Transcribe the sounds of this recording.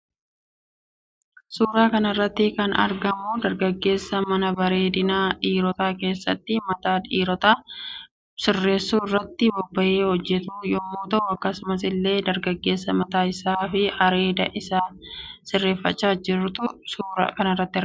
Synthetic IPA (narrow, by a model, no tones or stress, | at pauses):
suːɾaːkɐnɐrːɐt̪ːɪkɐnɐ̰ɾɡɐmud̪ɐɾɡɐɡːe̞ːsːɐmɐnɐbɐɾe̞ːd̪ɪnaːᶑiːɾɔt̪aːke̞ːsːɐt̪ːɪmɐt̪aːᶑiːɾɔt̪aː | sɪrːe̞ːsːuːɪrːɐt̪ːɪbɔbːɐʔeːhɔd͡ʒːɛt̪uːjɔmːoːt̪ɐʔʊɐkːɐsʊmɐs̬ɪlːe̞ːd̪ɐɾɡɐɡːe̞ːsːɐmɐt̪aːɪsaːfɪɐɾe̞ːd̪ɐ̰ʔɪsaːsɪrːe̞ːfːɐt͡ʃːaːd͡ʒɪɾt̪ʊsuːɾa̰ːkɐnɐrːɐt̪ːɪɐɾ